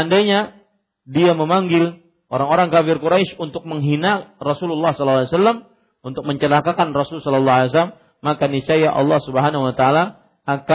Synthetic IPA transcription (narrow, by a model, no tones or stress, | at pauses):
andajɲa | diaməmaŋɡɪl | ʔoɾaŋoɾaŋkafɪrkuɾaɪʃunt̪ʊk̚məŋɦinarɔsululːɑhsɔlalːajsalːam | unt̪ʊk̚məɲt͡ʃəlakakanrɔsulsɔlɔlːɑɦales̬alamː | akanisajaʔɑ̰lːɑhsubəɦanahuwat̪aːla | aka